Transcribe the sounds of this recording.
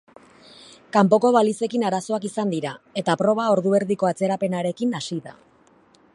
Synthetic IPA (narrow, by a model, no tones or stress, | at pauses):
kampo̞ko̞βalise̞kinaɾaso̞akisand̪iɾae̞t̪apɾo̞β̞ao̞ɾðue̞ɾðiko̞at͡se̞ɾape̞naɾe̞kinasiða̰